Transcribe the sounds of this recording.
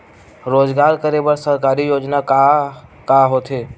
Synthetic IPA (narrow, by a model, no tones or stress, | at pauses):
ɾoːd͡ʒɡaːɾkəɾebəɾsəɾkaːɾijoːd͡ʒnakakaɦot̪ʰeː